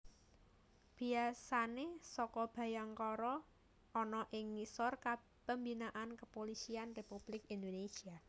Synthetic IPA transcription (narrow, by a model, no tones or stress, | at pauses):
b̥i̤asanesɔkɔb̥a̤jaŋkɔɾɔ | ʔːnɔʔɪŋːisɔrka | pəmbinaʔankəpolisianrepub̥lɪkind̪onesia